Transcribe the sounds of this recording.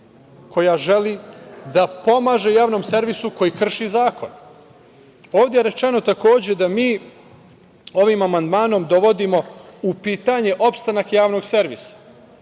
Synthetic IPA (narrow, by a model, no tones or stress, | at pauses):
kʰo̞jaʒelid̪apo̞maːʒejaːʋno̞ːmseɾʋisuko̞jikr̩ʃizaːko̞̰n | o̞ːʋd̪jeeɾet͡ʃeno̞t̪ako̞ːd͡ʑed̪amiː | o̞ʋimamand̪maːno̞md̪o̞ʋo̞d̪imo̞upiːt̪aɲe̞ʔo̞pst̪anakjaːʋno̞ɡse̞ɾʋḭsḁ